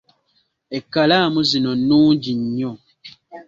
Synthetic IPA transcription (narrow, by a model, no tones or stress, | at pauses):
ɛkalamuzinɔnũːd͡ʒiɲɲɔ